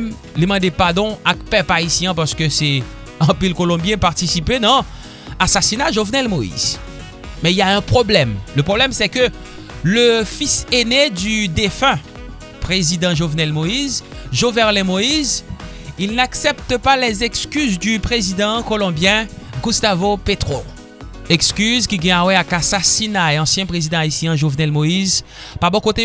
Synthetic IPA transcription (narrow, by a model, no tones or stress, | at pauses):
m | lemɑ̃d̪epaʁd̪ɔ̃akpɛpaisjɛ̃p̬aʁsə̥kəsɛ | ɑ̃pilkolɔ̃bjɛ̃paʁt̪isiped̪ã | asasinaʒovnɛlmoḭz | mɛiljaɛ̃pχoblɛmləpχoblɛmsɛkə | ləfisened̪yd̪efɛ̃ | pʁezid̪ɑ̃ʒovnɛlmoizʒovɛʁlɛ̃moiz | ilnaksɛpt̪əpalɛzɛkskyzd̪ypχezid̪ɑ̃kolɔ̃bjɛ̃ɡũst̪avopet̪χo | ɛkskyzkʲiɡɛ̃awɛakasasinaeɑ̃sjɛ̃pχezid̪ɑ̃aisjɛ̃ʒovnɛlmoiz | pabɔ̃kot̪e